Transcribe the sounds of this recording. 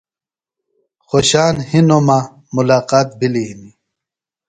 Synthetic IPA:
xoɕaːnhinoma | mulaːqaːt̪̚bʱiliɦini

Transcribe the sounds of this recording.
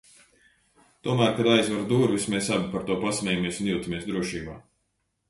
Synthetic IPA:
t̪uɔmæːɾkad̪ajzvaɾd̪uːɾvismesabʲipaɾt̪uɔpasmʲɛːjamieɛsunjuːt̪amiɛsd̪ɾuɔʃiːba̰ː

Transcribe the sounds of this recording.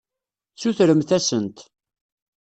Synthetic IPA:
t͡sːuθɾəmθæsənt̪

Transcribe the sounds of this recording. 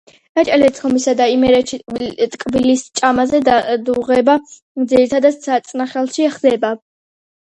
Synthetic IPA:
nat͡ʃʼalɛt̪sʼχɔmisad̪aimɛɾɛʃit̪ʼkʼbilist͡ʃʼamazɛd̪uʁɛba | d̪ziɾit̪ʰad̪at̪sat̪sʼnaχɛlˠʃiɛχd̪ɛba

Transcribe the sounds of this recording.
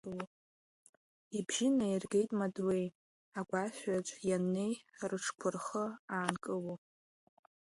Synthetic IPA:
w | ibʒɪnairɡe̞jtʼmadwe̞j | aɡʷaʃʷᶣat͡ʃʷʼjanːe̞jrɨʈ͡ʂʰkʷʰʊrχəaːnkʼɨwo

